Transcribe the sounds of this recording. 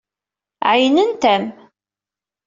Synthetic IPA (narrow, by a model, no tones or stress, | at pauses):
ʕajnənt̪æm